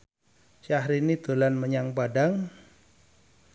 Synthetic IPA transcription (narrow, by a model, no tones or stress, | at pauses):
ʃaɦɾinid̪̥o̤lanməɲaŋpadaŋ